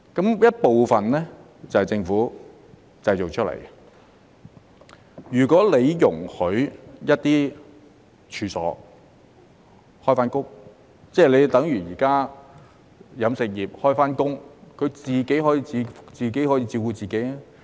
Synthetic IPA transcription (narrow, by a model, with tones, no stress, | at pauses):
kɐ˨˥mjɐ˥t̚po˨wfɐ˨nlɛː˥ | t͡sɐ˨hɐ˨jt͡sɪ˧ŋfuː˨˥ | t͡sɐ˧jt͡so˨k̚t͡ʃʰɵ˥lḛ˨˩j | jyː˨˩kʷɔː˨˥le˨˧jjʊ˨˩ŋhɵ˨˥ɥjɐ˥t̚t̪iː˥ | t͡ʃʰyː˨˧sɔ̰ː˨˥ | hɔː˥jfaː˥nkʊ˥k̚ | t͡sɛː˥˩le˨˧jt̪ɐ˨˥ŋjyː˨˩jiː˨˩kaː˥ | jɐ˨˧msɪ˨k̚jiː˨p̚hɔː˥jfaː˥nkʊ˥ŋkʰɵ˨˧ɥt͡siː˨ke˨˥jɦɔː˨˥jiː˧t͡siː˧t͡siː˨ke˨˥jhɔː˨˥jiː˧t͡siː˧wkuː˧t͡siː˨˩ke˨˥jɛ˥